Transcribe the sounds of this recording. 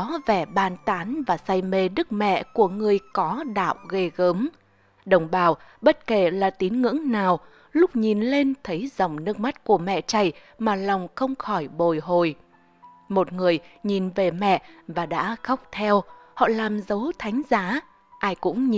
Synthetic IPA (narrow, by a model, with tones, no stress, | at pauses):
ɔ˨˦vɛ˧˩ɓaː˧˩nt̪aː˨˦nvaː˨˩sa˧jme˧ɗɨ˦˥k̚mɛ̰˧˨ku˧˩əŋɨ˨˩əjkɔ˨˦ɗa̰ː˧˨wɣe˧ɣəː˨˦m | ɗə˨˩wŋ͡mɓaː˨˩wɓə˦˥t̚ke˧˩laː˨˩t̪i˨˦ənŋɨ̰˧˥əŋnaː˨˩w | lʊ˦˥k͡p̚ɲi˨˩nle˧nt̪ʰə˨˦jzə˨˩wŋ͡mnə˧ŋ̚ma˦˥t̚ku˧˩əmɛ̰˧˨t͡ɕa˧˩j | maː˨˩la˨˩wŋ͡mxə˧wŋ͡mxɔ˧˩jɓo˨˩jɦo˨˩j | mo˨˩t̚ŋɨ˨˩əjɲi˨˩nve˨˩mɛ̰˧˨vaː˨˩ɗa̰ː˧˥xa˦˥wk͡p̚t̪ʰɛ˧whɔ̰˧˨laː˨˩mzə˨˦wt̪ʰa˨˦jŋ̟zaː˨˦ | ʔaː˧jkʊ̰˧˥ŋ͡mɲi˨